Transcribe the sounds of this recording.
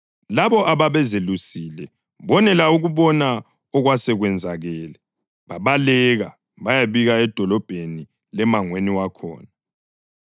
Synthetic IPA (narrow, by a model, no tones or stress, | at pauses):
laβɔʔaβaβɛzelusiːlɛ | βɔnɛlauɣuβɔna | ɔɣwasɛɣwɛnd͡zʱaɣɛːlɛ | βaβalɛɣa | βajaβiɣaɛd̥ʱɔlɔb̥ʱeni | lɛmaŋweniwakʰɔ̰ːna